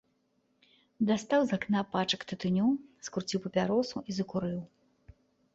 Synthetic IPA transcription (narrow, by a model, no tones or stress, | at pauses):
d̪ast̪awzaknapat͡ʂɐkt̪ɨt̪ɨnʲuskuɾt͡sʲiwpɐpʲaɾɔsuʔizɐkuɾɨw